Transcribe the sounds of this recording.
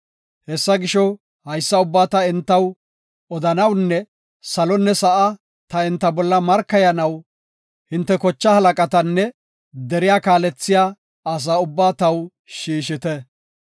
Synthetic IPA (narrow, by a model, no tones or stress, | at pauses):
hɛsːɐɡɪʃɔ | hɐjsːɐʊbːaːt̪ɐɪnt̪ːɐw | ɔd̪ɐnɐwnːɛ | sɐlɔnːɛsɐʔɐ | t̪ɐɪnt̪ːɐbɔlːɐmɐɾkːɐjɐnɐw | hɪnt̪ːɛkɔt͡ʃːɐhɐlɐkʼɐt̪ɐnːɛ | d̪ɛɾɪjaːkaːlɛt͡sːɪjaː | ɐs̬aːʊbːaːt̪ɐw | ʃiːʃ̬ɪt̪ɛ